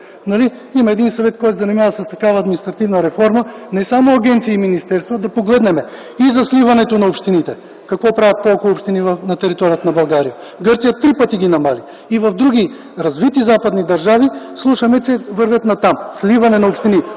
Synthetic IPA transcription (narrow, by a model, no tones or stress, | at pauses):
nɐli | imɐɛd̪insɐvɛt̪̚kɔjt̪zɐnimavəsɐst̪ɐkavɐːd̪minist̪ɾɐt̪ivnəɾɛfɔɾmənɛsamoɐɡʲɛnt̪siiminist̪ɛɾst̪vod̪ɐpoɡlɛd̪nɛmɛ | izɐslivɐnɛt̪onɐopʃt̪init̪ɛ | kɐkvɔpɾavʲjət̪̚ːpolˠkopʃt̪inivɐfnɐt̪ɛɾit̪ɔɾijət̪nɐbɐlˠɡaɾijə | ɡɤɾt̪sijət̪ɾipət̪iɡʲinɐmaliː | vɐvd̪ɾuɡʲi | ɾɐzvit̪izapɐd̪nid̪ɐɾʒavislˠuʃɐmɛt͡ʃɛvɤɾvʲjət̪nɐt̪amslivɐnɛnɐopʃt̪ini